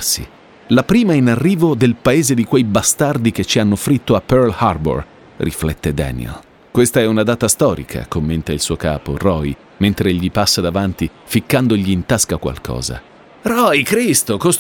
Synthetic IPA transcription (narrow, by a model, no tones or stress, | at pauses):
sḭ | lapɾiːmainarːiːvod̪elpaeːzed̪ikwejbast̪ard̪ik̟et͡ʃːianːofɾit̪ːoapːɛrlharbo̰r | rʔḭflɛt̪ːed̪ɛ̰ːnḭḛl | kwest̪aɛunad̪aːt̪ast̪ɔːɾḭkʰa̰komːent̪ailsuːoka̰ːpo̰rɔj | ment̪ɾeʎːipasːad̪avant̪i | fikːand̪oʎːiːnt̪askakwa̰lkʰɔ̰ːza̰ | ɾɔjkɾist̪okos